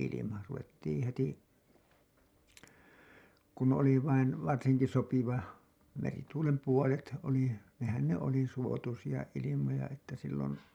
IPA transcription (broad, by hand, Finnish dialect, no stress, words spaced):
ilimɑ ruʋetːiːĩ heti kun oli ʋɑin ʋɑrsiŋki sopiʋɑ merituːlem puolet oli nehæn ne oli suotusijɑ ilimojɑ etːæ silːon